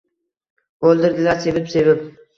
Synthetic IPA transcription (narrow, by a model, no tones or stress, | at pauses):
bolˠd̪ɪɾd̪ɪlaɾsevɪpsevɪp̚